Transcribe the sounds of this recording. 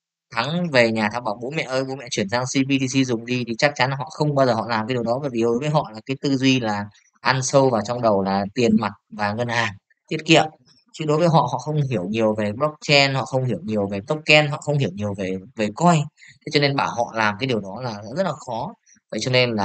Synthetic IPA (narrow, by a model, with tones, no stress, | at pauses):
t̪ʰa˨˦ŋve˨˩ɲaː˨˩t̪ʰaː˧wɓaː˧˩wɓo̰˧˦mɛ̰˧˨ʔəː˧jɓo̰˨˦mɛ̰˧˨t͡ɕwi˧˩ənzaː˧ŋsi˧ɓi˧t̪i˧si˧zʊ˨˩ŋ͡mɗi˧t̪ʰi˨˩t͡ɕa˦˥k̚t͡ɕa˨˦nɦɔ̰˧˨xə˧wŋ͡mɓaː˧zəː˨˩hɔ̰˧˨laː˨˩mka˨˦ɗi˨˩ə˩wɗɔ˨˦vaː˧˩jvi˨˩ɗo˨˦jvəː˨˦jɦɔ̰˧˨laː˨˩kaː˨˦jt̪ɨ˧zwi˧laː˨˩ | ʔa˧nsə˧wvaː˨˩wt͡ɕɔ˧wŋ͡mɗə˨˩wlaː˨˩t̪i˨˩ənma˨˩t̚vaː˨˩ŋə˧nhaː˨˩ŋ | t̪ʰi˦˥ət̚kḭ˧˨əm | t͡ɕɨ˧ɗo˨˦jvəː˨˦jɦɔ̰˧˨ɦɔ̰˧˨xə˧wŋ͡mɦi˧˩əwɲi˨˩əwve˨˩ɓlɔ˦˥k̚t͡ɕɛ˧nɦɔ̰˧˨xə˧wŋ͡mhi˧˩əwɲi˨˩əwve˨˩t̪ə˦˥k͡p̚t͡ɕɛ˧nɦɔ̰˧˨xə˧wŋ͡mhi˧˩əwɲi˨˩əwve˨˩ve˨˩kɔ˧jt̪ʰe˨˦t͡ɕɔ˧ne˧nɓaː˧˩whɔ̰˧˨laː˨˩mkaː˨˦jɗi˨˩əwɗɔ˨˦laː˨˩za̰ː˧˥˦zə˦˥t̚laː˨˩xɔ˨˦ | və̰˧˨jt͡ɕɔ˧ne˧nlaː˨˩